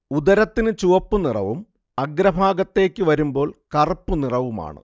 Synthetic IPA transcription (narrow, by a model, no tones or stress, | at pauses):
ud̪ɐɾɐt̪ːinɨt͡ɕuʋɐpːunirɐʋum | ɐɡɾɐbʱaːɡɐt̪ːe̞ːkʲːɨʋɐɾumbo̞ːɭkɐrɨpːunirɐʋuma̰ːɳɨ̰